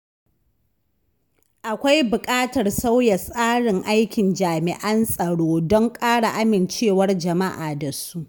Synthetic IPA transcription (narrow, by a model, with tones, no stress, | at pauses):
ʔa˨kʷa˦jbʊ˨kʼaː˦tɐ˨rsa˦wjɐ˨sʼaː˦ɽɪ˨ŋʔa˦jkʲɪ˨nd͡ʒaː˨mɪ˨ʔɐ˦nsʼɐ˨ɽoː˦dɔ˦ŋkʼaː˦ɽa˨ʔa˦mɪ˨nt͡ʃeː˦˨wɐ˦rd͡ʒɐ˨ma˦ʔaː˨da˨su˦ʔ